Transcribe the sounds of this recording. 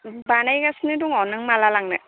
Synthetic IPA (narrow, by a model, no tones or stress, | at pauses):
banajɡasnɯduŋɔnɯŋmalalaŋnɯ